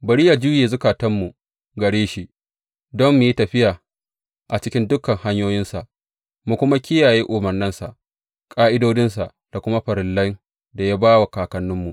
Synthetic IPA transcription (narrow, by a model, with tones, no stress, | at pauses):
bɐ˨ɽi˦jaː˨d͡ʒu˦jeː˨zʊ˦kaː˨tɐ˦mːu˨ | ɡɐ˨ɽeː˦ʃi˦ | dɔ˦mːu˨ji˦tɐ˨ɸɪ˦jaː˨ | ʔa˨t͡ʃɪ˦kʲɪ˦ndʊ˦kːɐ˨ŋha˦ɲjoː˦jɪ˦nsa˨ʔ | mu˨kʷʊ˦ma˦kʲɪ˦jaː˨jeː˦ʔʊ˨mɐ˨rnɪ˦nsa˨ʔ | kʼaː˦ʔɪ˦doː˦d͡ʒɪ˦nsa˨ʔ | d̥a˨kʷʊ˦ma˦ɸɐ˨ɾɪ˨lːɐ˦ŋ | da˨jaː˦baː˦wa˨kaː˨kɐ˨nːʊ˦mːu˨